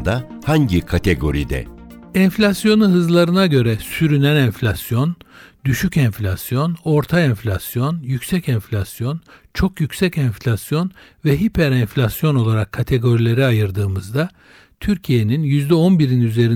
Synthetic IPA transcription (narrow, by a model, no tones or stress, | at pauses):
d̪ahaɲɟikʰat̪ʰeɡo̞̰ɾid̪ɛ̰ɛnflʲasjo̞nuɦɯzlˠaɾɯnaɟø̞ɾɛsyɾynænɛnflʲasjo̞nd̪yʃycɛɱflʲasjo̞no̞ɾt̪ʰaɛnfʲlʲasjo̞njycʲsɛcɛnflʲasjo̞nt͡ʃʰo̞kjycsɛcɛnflʲasjo̞nvɛɦipʰæɾɛnflʲasjo̞no̞lˠaɾakʰːat̪ʰe̞ɡo̞ɾilʲe̞ɾiajɯɾd̪ɯːmɯzd̪a | t̪ʰyɾcʰije̞ninjyzd̪ɛo̞nbiɾinyze̞ɾi